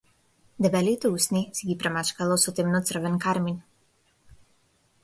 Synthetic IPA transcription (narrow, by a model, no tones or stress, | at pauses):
d̪ɛbɛlit̪ɛusnisɛɡipɾɛmat͡ʃkalˠɔsɔt̪ɛmnɔt̪sr̩vɛnkaɾmin